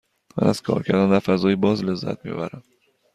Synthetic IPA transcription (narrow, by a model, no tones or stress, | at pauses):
mæ̰næz̥kʰɒ̰ːɾcʰæɾd̪ɒnd̪æɾfæzɒːjibɒːzlezːæ̰t̪̚mijo̰bæɾæm